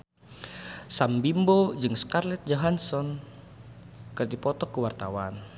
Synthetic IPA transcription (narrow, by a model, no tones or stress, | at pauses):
sambimbod͡ʒɨŋskarlɛt̪̚d͡ʒaɦansɔn | kərdipɔt̪ɔkəwart̪awan